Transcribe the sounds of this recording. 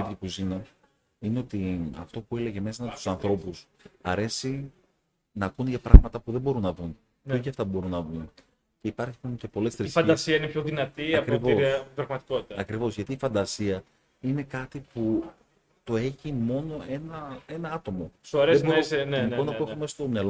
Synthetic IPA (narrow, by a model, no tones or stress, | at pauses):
t̪iikuzinɐ | ineo̞t̪iɐ̰ft̪o̞pue̞le̞ʝe̞me̞sɐmet̪u̥sɐnθɾo̞pus | ɐɾe̞si | nɐkunʝɐpɾɐ̰ɣmɐt̪ɐpuðe̞bo̞ɾunːɐðun | oçiɐft̪ɐbo̞ɾunːɐðun | ce̞ipɐɾçiunce̞po̞le̞st̪ɾiisfɐd̪ɐsiɐinepçoðinɐt̪iɐpkɾivoiɐpɾɐɣmɐt̪i̥ko̞t̪i̥t̪ɐɐkɾivo̞zʝɐt̪iːfɐnd̪ɐsiɐ | ine̞kɐt̪ipu | t̪o̞eçimo̞no̞e̞nɐe̞nɐɐt̪o̞mo̞ɾezenionopoexumest̪o̞mɲɐlo